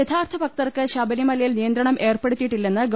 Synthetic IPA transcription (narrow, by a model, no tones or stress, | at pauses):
et̪ʰaːrt̪ʰɐbɐk̚t̪ɐrkɨɕɐbɐnimɐlɐjilnijɐnd̪ɾɐɳɐmʔe̞ːrpeɽut̪ːiʈːilːe̞nːɨɡ